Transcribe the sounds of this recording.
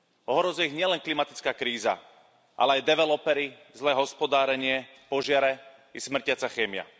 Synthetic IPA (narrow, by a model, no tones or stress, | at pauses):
ɔɦɾɔzujɛiɣɲɪɛlɛnklimat̪i̥t͡skaːkɾiːza̰ | ʔa̰lɛajd̪ɛʋɛlɔpɛɾizlɛːɦɔspɔd̪aːɾɛɲɪɛ | pɔʒɪaɾɛ | ismr̩cɪat͡saxɛːmɪa̰